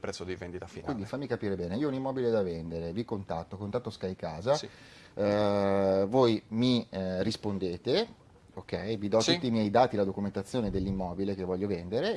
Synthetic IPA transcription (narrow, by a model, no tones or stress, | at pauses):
pɾɛt̪sːod̪ivend̪it̪afinkind̪ifamːikapiːɾebɛːneiːounimːɔbiled̪avɛnd̪eɾevikont̪at̪ːokont̪at̪ːoskajkaːzas | vojmiɾispond̪eːt̪e | okːɛjvid̪ɔt̪ut̪ːiːmjɛjd̪aːt̪ilad̪okument̪at̪sːjoːned̪elːimːɔːbilek̟evːɔʎːovɛnd̪eɾe